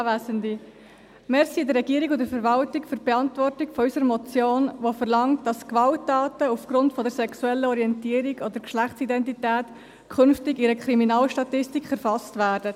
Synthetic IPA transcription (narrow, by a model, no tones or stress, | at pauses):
væːsəndi | mɛɾsiːdəɾːɛɡiːəɾikʊdəfɛɾʋɑltɪkfʏɾb̥ɛɑntvɔrtɪkfɔysəɾmɔt͡sjoːnʋofəɾlɑŋtd̥ɑskvɑltːɑːtəufɡ̥ɾʊntfɔdɛɾsɛksuɛlːəɔɾiɛntiːəɾiɡɔdəɾkʃlæχtt͡sidɛntitæːt | kʰχʏnftɪɡɪɾəkχɾiminɑːlʃtɑtɪstikχɛɾfɑstvæːɾd̥ə